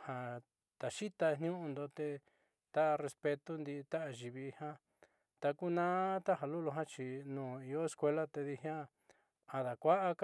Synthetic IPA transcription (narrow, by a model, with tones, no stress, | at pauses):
ha˨ | t̪a˨ʃi˦t̪a˧n̥j̃ũ˦ũ˧nd̪o˧t̪e˧ | t̪a˦ʔre˧spe˧t̪u˦nd̪i˧t̪a˦ʔa˧ʒi˨βi˧hã˦ | t̪a˧ku˦nãː˦t̪a˦ɦa˧lu˦lu˧ɦã˦t͡ʃi˧nũː˨i˧jo˦e˧skʷe˧la˦t̪e˧ði˧ɦa˦ | a˨ða˨kʷa˦ʔa˦k